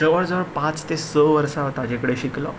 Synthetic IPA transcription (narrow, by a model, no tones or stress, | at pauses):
əʋəɽd͡zəʋəɽpãt͡st̪esəʋəɾsaɦt̪ad͡ʑekəɽeɕiklɔ̰